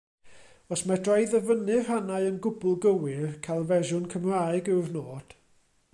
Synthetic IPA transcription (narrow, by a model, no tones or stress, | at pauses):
ɔsmadrajðəvənɨv̥hanaɨənɡʊbʊlˠɡəwɪrkʰalˠvɛʒʊnkʰəmraɨɡɪwrnoːd̥